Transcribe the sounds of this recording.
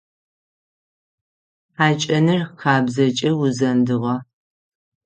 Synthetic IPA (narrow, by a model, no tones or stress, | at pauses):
aːt͡ʃʼɐnɨrxaːbzɐt͡ʃʼɐwʊzɐndɨʁɐ